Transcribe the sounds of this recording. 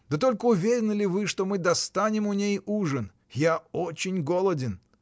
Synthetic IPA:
d̪ət̪o̞lʲkəʊvʲeɾʲɪnəlʲɪvɨʂt̪o̞mɨd̪ɐst̪anʲɪmʊnʲejuʐən | jaot͡ɕɪnʲɡolˠədʲɪn

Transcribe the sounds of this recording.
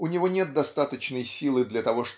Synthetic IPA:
ʊnʲɪvo̞nʲe̞t̪̚d̪ɐst̪at̪ət͡ɕnəjsʲilˠɨd̪lʲɐt̪ɐvo̞ʂ

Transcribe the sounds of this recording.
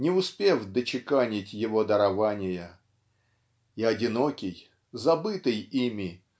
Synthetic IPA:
nʲɪʊspʲe̞vd̪ət͡ɕɪkanʲɪtʲjɪvo̞d̪əɾɐvanʲɪjə | iɐdʲɪno̞kʲɪj | zɐbɨt̪ɨjimʲɪ

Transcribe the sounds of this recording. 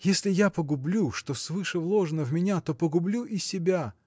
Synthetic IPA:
jesʲlʲɪjapəɡʊblʲuʂt̪o̞svɨʂəvlˠo̞ʐənəvmʲɪnʲat̪o̞pəɡʊblʲuʔisʲɪbʲa

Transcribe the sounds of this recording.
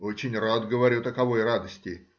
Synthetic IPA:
o̞t͡ɕɪnʲrad̪ɡəvɐɾʲut̪əkɐvo̞jrad̪əsʲtʲɪ

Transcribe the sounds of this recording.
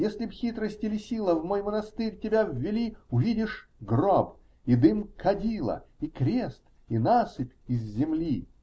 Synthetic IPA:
jesʲlʲɪbxʲit̪ɾəsʲtʲɪlʲɪsʲilˠəvmojmənɐst̪ɨrʲtʲɪbʲavʲːɪlʲiʊvʲidʲɪʂɡrob | id̪ɨmkʰɐdʲilˠə̰ikɾʲest̪ | inasɨpʲɪzːʲɪmlʲi

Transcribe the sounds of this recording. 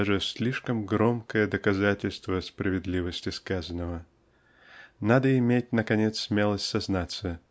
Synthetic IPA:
ʐɨsʲlʲiʂkəmɡɾo̞mkəjəd̪əkɐzatʲɪlʲst̪vəspɾəvʲɪd̪lʲivəsʲtʲɪskazənəvə | nad̪əɪmʲet̚ʲnəkɐnʲet̪ssʲmʲelˠəsʲtʲsɐznat̪sə

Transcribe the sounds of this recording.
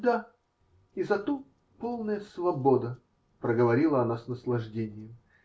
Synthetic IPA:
d̪a | izɐt̪o | polˠnəjəsvɐbo̞d̪ə | pɾəɡəvɐɾʲilˠəɐnasnəslˠɐʐdʲenʲɪjəm

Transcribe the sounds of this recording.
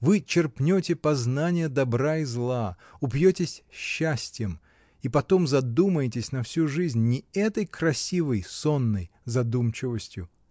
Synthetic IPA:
vɨt͡ɕɪrpnʲotʲɪpɐznanʲɪjəd̪ɐbɾaizlˠa | ʊpjotʲɪsʲɕːæsʲtʲɪjəm | ipɐt̪o̞mzɐd̪uməjɪtʲɪsʲnɐfsʲuʐɨzʲnʲːɪɛt̪əjkɾɐsʲivəjso̞nːə̰jzɐd̪umt͡ɕɪvəsʲtʲjʊ

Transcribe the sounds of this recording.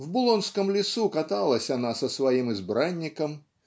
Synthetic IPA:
vbʊlˠɔnskəmlʲɪsukat̪alˠəsʲanasɐsvajimɨzbɾanʲːɪkəm

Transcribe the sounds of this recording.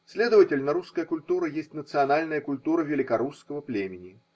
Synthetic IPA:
sʲlʲe̞d̪əvətʲɪlʲnɐɾuskəjəkʊlʲt̪uɾəjesʲtʲnət̪sɨɐnalʲnəjəkʊlʲt̪uɾəvʲɪlʲɪkɐɾuskəvəplʲemʲɪnʲɪ

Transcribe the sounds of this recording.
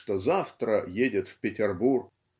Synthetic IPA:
ʂt̪ozaft̪ɾəjedʲɪt̪fpʲɪtʲɪrburk

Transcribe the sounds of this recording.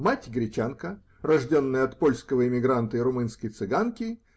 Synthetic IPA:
matʲɡɾʲɪt͡ɕankə | rɐʐdʲo̞nːəjəɐt̪po̞lʲskəvəɪmʲɪɡɾant̪əɪɾʊmɨnskəjt̪sɨɡankʲɪ

